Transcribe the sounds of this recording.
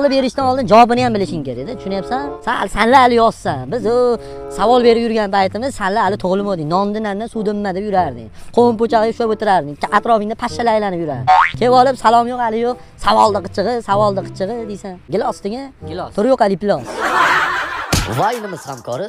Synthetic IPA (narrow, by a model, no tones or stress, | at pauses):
lˠɪpe̞ɾɪʃt̪anɒlˠd̪ɪnd͡ʒawɒbɪnɪjambɪlɪʃɪŋkʲeɾed̪ɪt̪ʰʊ̥ʃʊnajapsansasanlaːlɪjɒssanbɪzʊ | savɒlˠbe̞ɾɪpjʊɾɡʲanpʰajt̪ʰɪmɪz̥sanlaːlɪt̪ʰoʁlˠɪmod̪ɪŋnɒnd̪ɪnannasud̪ɪmːad̪ɪpjʊɾaɾd̪ɪ̰qʰompot͡ʃalɡaʃʊapot̪ɪɾaɾd̪ɪat̪ɾɒfɪŋd̪apʰaʃːalɪajlanɪpjʊɾaɾd̪ɪkʲʰevɒlˠɪpsalˠɒmjoqalɪjoq̚ | savɒlˠd̪ɨqɨt͡ʃʰɨʁɨsavɒlˠd̪ɨqʰɨ̥t͡ʃʰɨʁɨd̪ejsanɡʲɪlɒsd̪ɪɡʲant̪ʰʊɾjoqalɪpɪlɒs | vajnɪmɪz̥hamkʰɒɾɪ